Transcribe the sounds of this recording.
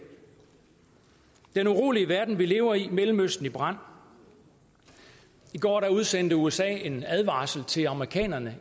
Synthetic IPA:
d̥enuʁo̝̰ːliəʋæɐd̥n̩ʋile̝ːʊɐimelm̩øsd̥n̩ib̥ʁɑ̈n̰ | iɡ̥ɒ̰ːɾæuð̞ˠsen̰d̥əuesɛ̰ːe̝næð̞ˠʋɑ̰̈ːsl̩t͡sʰe̝lɑ̈məʁikʰɛ̰ːnɐnə

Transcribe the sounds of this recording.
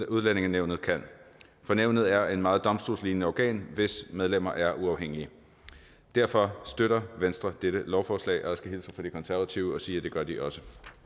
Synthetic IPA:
uð̞ˠlæne̝ŋn̩ːeʊnð̩ˠkʰæn̰ | fɒ̽neʊ̰nð̩ˠæɐe̝nmɑ̈ːð̞̩ˠd̥ɒ̽msd̥o̝ːlsliːnənəɒɡ̥ɛ̰ːnʋe̝smeð̞ˠlem̰ɐʔæɐʔuɑ̈ʊɦeŋ̰iə | d̥æɐ̰fɒ̽sd̥øɾɐʋensd̥ʁɐd̥eɾ̥əlɒʊfɒːslɛ̰ɪʔɒsɡ̥æilsɐfɒ̽d̥ikʰɒ̽nsæɐʋæt͡sʰiʊəɒ̽siːɐd̥e̝ɡ̥ɶɐd̥iʔɒ̽sə

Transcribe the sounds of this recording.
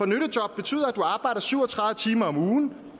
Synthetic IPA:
fɒ̽nøɾ̥əd̥jɒ̽b̥̚ːe̝t͡sʰy̰ːð̰ˠɐæd̥duɑ̈ːb̥ɑ̈ɪ̰dɐsyʊ̰ɒt͡sʰʁɑ̈ððˠət͡sʰiːmɐɒ̽muːn

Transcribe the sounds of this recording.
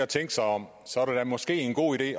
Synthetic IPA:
æt͡sʰeŋɡ̥sɑ̈ɪɒ̽m̰ | sɒ̽æɐɾ̥æd̥æmɒ̽sɡ̥e̝̰ːenɡ̥o̝̰ːiɾ̥e̝̰ː

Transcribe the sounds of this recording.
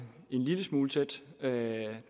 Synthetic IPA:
e̝nliləsmuːlt͡sʰed̥ø

